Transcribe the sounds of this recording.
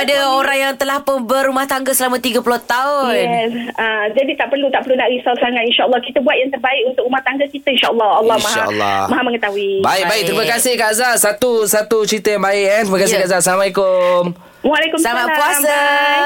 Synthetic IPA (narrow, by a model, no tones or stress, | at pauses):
padaoɾaŋjaŋt̪əlahpʊnbəɾumaht̪aŋɡasəlamãt̪iɡəpulɔht̪aʊnɛsad͡ʒadit̪aʔpərlut̪aʔpəɾlunaʔɾisawsaŋat̪inʃaʔəlːɔhkit̪əbuat̪̚jaŋt̪ərbaɪkunt̪ʊkumaht̪aŋɡakit̪ainʃaʔəlːɑhɔlːɔmaɦʃaa̰lːɔ̰maɦaməŋət̪aɦuibaɪk̚baik̚t̪ɾimakasɪhkaʔzasat̪usat̪ut͡ʃɾit̪əjaŋbaɪʔɛnt̪ɾimakasɪhkaʔzasalamaikʊm | walɛkumsəlamapuasa